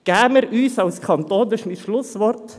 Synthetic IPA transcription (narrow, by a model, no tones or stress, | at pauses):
ɡ̥æːməɾyːsɑʊskʰɑnt̪oːd̪əʃmɪt̪ʃlʊsʋɔɾtt̪